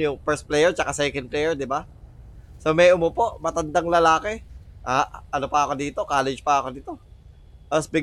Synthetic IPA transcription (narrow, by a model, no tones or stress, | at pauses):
jʊŋfɛɹst̪̚plɛjɛɹt͡ʃɐkasɛːkɐn̚plɛjɛɹd̪ɪba | somɛjʔʊmopo̞ʔmɐt̪ɐnd̪aŋlɐlaːkɛʔaːʔʔɐno̞pɐʔɐko̞d̪iːt̪o̞kaːlɛd͡ʒpɐɐko̞d̪it̪o̞ | ʔɐsbɪɡ